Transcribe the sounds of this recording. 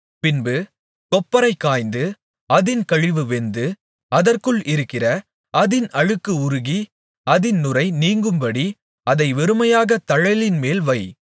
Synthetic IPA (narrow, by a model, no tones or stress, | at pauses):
pɪnbɯ | kɔpːɐɾɐɪkːaːjnd̪ɯ | ɐðɪnkɐɻɪʋɯʋɛnd̪ɯ | ɐðɐrkɯɭʔɪɾɯkːɪrɐ | ɐðɪnɐɻɯkːɯʊɾʊɣi | ɐðɪnnʊrɐɪniːŋɡɯmbɐɽi | ɐðɐɪʋɛɾɯmɐjaːɣɐt̪ɐɻɐɪlɪnmeːlʋɐɪ